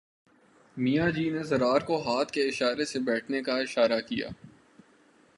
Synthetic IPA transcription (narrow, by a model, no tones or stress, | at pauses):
mijad͡ʒiːnezɐɾaːɾkoɦaːt̪ʰkeɪʃaːɾesebɛːʈʰnekaɪʃaːɾakija̰ː